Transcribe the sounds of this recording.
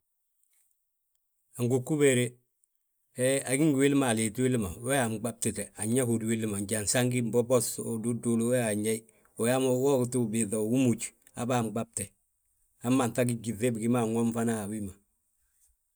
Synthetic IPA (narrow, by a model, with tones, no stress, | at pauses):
a˨ŋɡukːu˦beɾe | ea˨ɡi˦ŋɡwi˦lma˨le˨twi˦lma˨we˦a˨mɡ͡ba˦b̚te˨te˨a˨ɲa˦ko˨dwi˦lma˨ɲɟa˨nsaŋɡi˦mbo˦bo˦sodu˦du˨lowe˦a˨ɲa˦i | o˨ja˦mowo˦ktu˦bi˨θa˨ɡu˦mut͡ʃ | a̰˨ba˦mɡ͡ba˦b̚te˨ | a˦ma˨nta˦ɡ̬i˦ɡi˨θe˦bi˨ɡi˦ma˨ŋo˦mfa˦na˦˨wima